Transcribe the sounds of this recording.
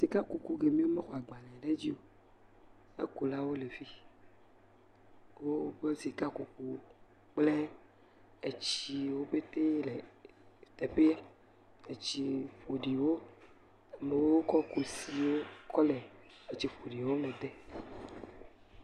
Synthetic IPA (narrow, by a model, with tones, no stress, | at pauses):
zi˨ka˦ku˨ku˦ɡe˨mĩ˦wo˦me˦xɔ˨a˨ɡ͡ba˨lɛ̃˨ɖe˦d͡ʑi˦o˦ | ḛ˦ku˨la˦wo˦le˨vi˦ | wo˦ɡ͡be˦si˨ka˦ku˨ku˦ | k͡ple˦ | e˨t͡ɕi˨wo˦be˦t̪e˦le˨ | t̪e˨pe˦a˦ | e˨t͡ɕi˦ɸo˨ɖi˨wo˦ | a˨me˨wo˦wo˦kɔ˦ku˨si˨wo˦kʰɔ˦le˨e˨t͡ɕi˦fo˨ɖi˨wo˦mɛ̃˨d̪e˦